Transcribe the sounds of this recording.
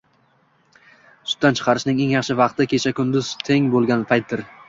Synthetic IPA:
sʊ̥t̪ːant͡ʃʰɨ̥qʰɑɾɪʃnɪŋe̞ŋjɑχʃɪvɑqt̪ɪkʲʰe̞t͡ʃʰakʰʊnd̪ʊzt̪ʰe̞ŋbolˠɡʲanpʰajt̪̚d̪ɪɾ

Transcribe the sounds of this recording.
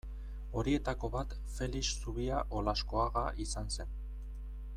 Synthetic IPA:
o̞ɾie̞t̪ako̞βat̪ | fe̞lissuβiaʔo̞lasko̞aɣaʔisanse̞n

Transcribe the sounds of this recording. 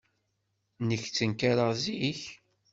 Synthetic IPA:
nəçt͡sːənkaɾəʁziç

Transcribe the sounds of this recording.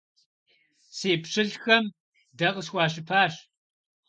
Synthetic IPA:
seːpʂɨɬxɐm | dɐqəsxʷɑːɕɨpʰaːʂ

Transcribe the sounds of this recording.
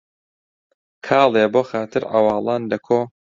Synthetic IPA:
kʰɑːlˠeːboːxaːt̪ʰɨɾʕa̰wɑːlˠɑːnlɐkʰoː

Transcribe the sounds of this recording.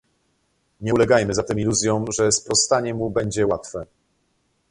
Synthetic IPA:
ɲɛlɛɡajmɘzat̪ɛmiluzʲjɔ̃w̃ʐɛspɾɔst̪aɲɛmubɛɲd͡ʑɛwat̪fɛ

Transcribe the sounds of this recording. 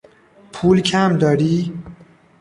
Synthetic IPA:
pʰuːlcʰæmd̪ɒːɾiː

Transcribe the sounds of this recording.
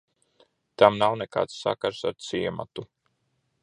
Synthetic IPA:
t̪amnawneka̰ːt̪sːa̰kaɾsaɾt̪siɛma̰t̪u

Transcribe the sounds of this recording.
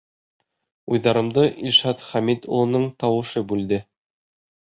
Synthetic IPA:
ujðɑɾɤ̆md̪ɤʔilʲʃɑt̪χæmit̪ṵlˠɤ̆nɤɴt̪ɑwɤ̆ʃɤbʉld̪ɘ

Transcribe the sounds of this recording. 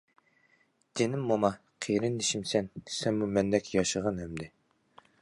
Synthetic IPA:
d̪̥enɪmːomɑ | qʰeɾɪnd̪iʃimsɛnsɛnmumɛnd̪ɛkʲjɑʃəʁɑnɛmd̪ɪ

